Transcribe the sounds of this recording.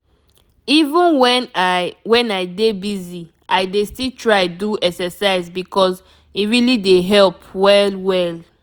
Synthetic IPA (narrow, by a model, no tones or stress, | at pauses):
ivə̃nwɛnwɛ̃naɪdebizi | ʔaɪdestiltʰɹaɪduɛksɛsaɪzbikɔz | iɹilideɦɛlpwɛlwɛl